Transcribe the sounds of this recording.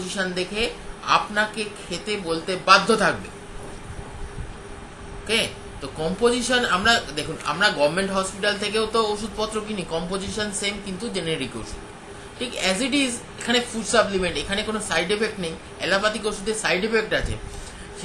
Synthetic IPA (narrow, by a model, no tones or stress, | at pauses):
d͡ʑiʃond̪ekʰea̰pnakekʰet̪ebolt̪ebad̪ʱːot̪ʰak̚bḛ | oke | t̪okɔmpod͡ʑiʃonamɾad̪ekʰuna̰mɾaɡɔbmeɳʈɦɔspiʈalt̪ʰekeot̪ooʃud̪̚ʱpɔt̪ːɾok̬inikɔmpod͡ʑiʃonsemkint̪ud͡ʑeneɾiko̰ʃud̪ | ʈʰikɛziʈiz | ekʰanefuɖsaplimeɳʈekʰanekonosajɖepek̚ʈnej | ɛlapat̪ikoʃud̪ʱeɾsajɖepek̚ʈat͡ɕʰḛ | ʃ